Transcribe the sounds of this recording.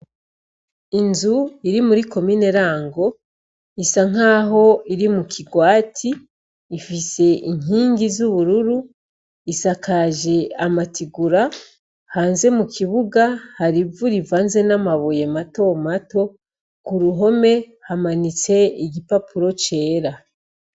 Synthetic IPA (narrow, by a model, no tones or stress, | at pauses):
inzuiɾimuɾiko̞miːne̞ɾaːŋɡo̞ | isaŋ̥aːɦo̞iɾimukʰiɡwaːtʰiː | fise̞ʔiŋ̥iːŋɡizuβuɾuɾu | isakaʒe̞amatʰiɡuɾa | haːnze̞mukiβuɡahaɾivuɾivaːnze̞namaβojemato̞mato̞ | kuɾuɦo̞me̞ | hamanit͡se̞iɟipapʰuɾo̞t͡ʃe̞ːɾa